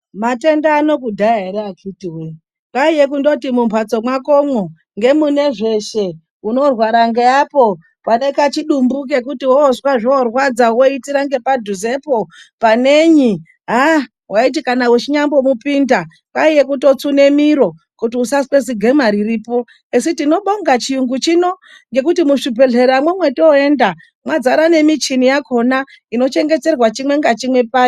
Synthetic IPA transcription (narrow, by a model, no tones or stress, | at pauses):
mate̞ndaːno̞kudʱaaɦeɾeakʰitiwe | paije̞kundo̞timumpwat͡so̞mwako̞mwo | ŋɡe̞mune̞ʐe̞ʃe̞ | uno̞rwaɾaŋɡeapo̞ | pane̞kat͡ʃiɗumbuk̬e̞kutiwooswaʐiorwad͡zawo̞itiɾaŋɡe̞padʱuze̞popaneɲi | ɦa | wʔait̬ikanawut͡ʃiɲambo̞mupinda | kwaije̞kuto̞t͡sune̞miɾo̞ | kutiusaswe̞s̬iɡʱe̞maɾiriːpo̞ | esitino̞ɓo̞ŋɡat͡ʃiuŋɡut͡ʃino̞ | ŋɡe̞kutimuʂibʱe̞ɮe̞ɾamwemwe̞tooe̞nda | mwad͡zaɾane̞mit͡ʃinijakʰo̞na | ino̞t͡ʃe̞ŋɡe̞t͡se̞rwat͡ʃimwe̞ŋɡat͡ʃimwe̞paːji